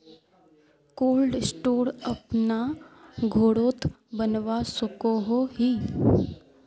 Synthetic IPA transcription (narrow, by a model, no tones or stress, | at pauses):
koːlɖsʈoːɾəpnaɡʱoːɽoːt̪ | bənʋasʊkoɦoɦi